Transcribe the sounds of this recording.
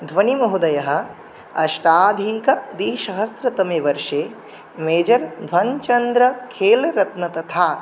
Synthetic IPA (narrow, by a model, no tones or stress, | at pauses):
d̪ʱʋɐnimɐɦud̪ɐjɐɦɐ̆ | ɐʃʈaːd̪ʱiːkɐd̪iːʃɐɦɐst̪ɾɐt̪ɐmeːʋɐɾʂeː | meːd͡ʒɐɾd̪ʱʋɐnt͡ʃɐnd̪ɾɐkʰeːlɾɐt̪nɐt̪ɐt̪ʰaː